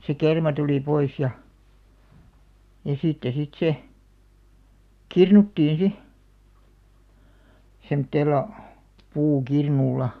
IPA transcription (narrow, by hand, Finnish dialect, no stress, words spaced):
se kermɑ tuliˑ pois jɑ jɑ sitːe sit se kirnutːiːn si semŏtːeːlːɑ puːkirnulːɑ